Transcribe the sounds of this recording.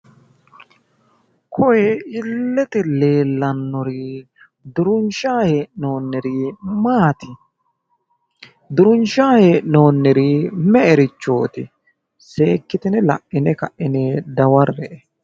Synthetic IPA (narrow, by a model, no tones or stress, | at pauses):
kʰɔjɛɪlːɛt̪ɛle̞ːlːɐnːɔɾiː | d̪ʊɾʊnʃaːheːʔno̞ːnːɛɾiːmaːt̪ɪ | d̪ʊɾʊnʃaːhe̞ːʔɪno̞ːnːɛɾiːmɛɛɾɪt͡ʃːo̞̰ːt̪ɪ | seːkːɪt̪ɪnɛlɐ̰ʔːɪnɛkɐʔːɪnɛd̪ɐwɐɾːɛʔɛ